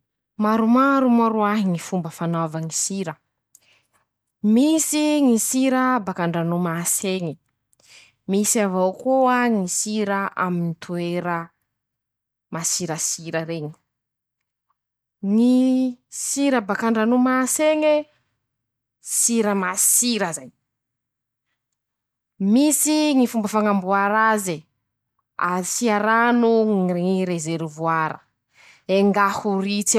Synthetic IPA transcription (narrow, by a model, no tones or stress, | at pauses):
maɾumaɾumaɾuaɦiŋifumbəfanavaŋisiɾə | misiŋisiɾəbakaɳɖ͡ʐanumaseŋi | misavawkuaŋisiɾaʔa̰minit̪ʰueɾə | masiɾəsiɾəɾeɲi̥ | ŋisiɾəbakaɳɖ͡ʐanumaseŋe | siɾəmasiɾəzaj | misiŋifumbəfaŋambuaɾaze | a̰siaɾanuŋireɾezeɾuvuaɾə̰ | eŋɡahurit͡se